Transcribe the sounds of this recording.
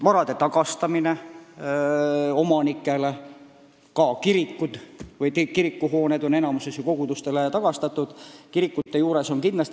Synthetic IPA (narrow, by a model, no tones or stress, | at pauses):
mɑɾɑd̪̥e̞t̪ɑɡ̥ɑst̪ɑmine | o̞mɑnikːˑe̞le̞ | kɑkiɾikːud̪̥vɯjt̪ikiɾikːuɦo̞ːned̪̥o̞ne̞nɑmusesjɑko̞ɡ̥ud̪ust̪e̞let̪ɑɡ̥ɑst̪ɑt̪ːˑud̪̥kiɾikːˑut̪ːe̞juːɾe̞so̞nkinːest̪